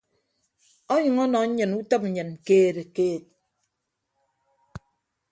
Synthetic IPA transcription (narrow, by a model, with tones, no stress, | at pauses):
ɔ˦ɲɨ˨ŋɔ˦nɔ˨ɲ̩˦ɲɨ˨nu˦tɔ˦pɲ̩˦ɲɨ˨n˨keː˦ɾe˨keː˦˨t̚